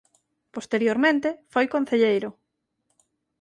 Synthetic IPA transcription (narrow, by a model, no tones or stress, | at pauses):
post̪eɾjoɾmẽnt̪efojkon̟θeʎejɾʊ